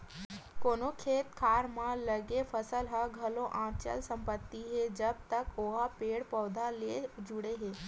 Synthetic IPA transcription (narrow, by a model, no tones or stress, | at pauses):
koːnokʰeːt̪kʰaːɾmãləɡefʰəsəlɦaɡʱɐloʔãːt͡ʃə̰lsɐ̃mpət̪ːiɦed͡ʒɐb̚t̪əkoɦapeːɽpɔːd̪ʱaleːd͡ʒʊɽeɦeː